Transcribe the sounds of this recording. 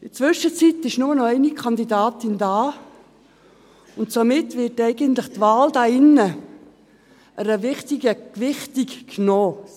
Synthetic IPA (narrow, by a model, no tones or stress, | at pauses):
ɪt͡sʋʏʃət͡sitɪʃnʊmnɔɛɪnikʰɑndidaːtɪndaː | ʊntsomɪtʋɪtɛɪɡəntlɪχtvaːldɑːɪnːə | ʔəɾəvɪχtiɡəkʋɪχtikːnoː